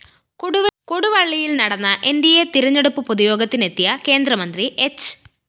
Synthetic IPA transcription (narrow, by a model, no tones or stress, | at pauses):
koɽukoɽuʋɐɭːijilnɐɽɐnːɐʔe̞nd̪ijet̪iɾɐɲːeɽupːɨpoðijo̞ːɡɐt̪ːine̞t̪ːijɐke̞ːnd̪ɾɐmɐnd̪riʔet͡ɕː